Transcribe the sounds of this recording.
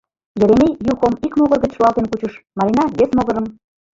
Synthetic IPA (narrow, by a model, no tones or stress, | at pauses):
jĕɾenejuxomikmoɣərɣət͡ɕʃuɑlˠt̪enkut͡ɕəʃmɑɾinɑβesmoɣəɾəm